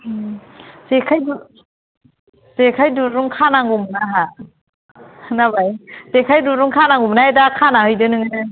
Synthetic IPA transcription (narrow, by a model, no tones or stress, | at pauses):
z̥ekʰajdu | z̥ekʰajduɾuŋkʰanaŋɡumnaɦa | nabajz̥ekʰajduɾuŋkʰanaŋumnaajdakʰanahɯjdɯnɯŋɯnɯ